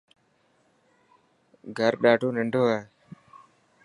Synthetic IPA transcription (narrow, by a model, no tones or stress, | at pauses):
ɡʱəɾɗaːʈoːnəɳɖʱoːae